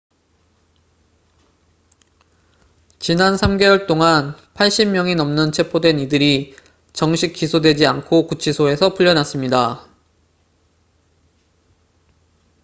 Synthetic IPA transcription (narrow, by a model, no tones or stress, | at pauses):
t͡ɕinansʰamɡe̞wʌɭt͈oŋan | pʰaɭɕ͈immjʌŋinʌmnɯnt͡ɕʰe̞pʰodwe̞nidɯɾi | t͡ɕʌŋɕʰik͈ːisʰodwe̞d͡ʑiankʰokut͡ɕʰisʰoe̞sʰʌpʰuʎːʌnas͈ɯmɲida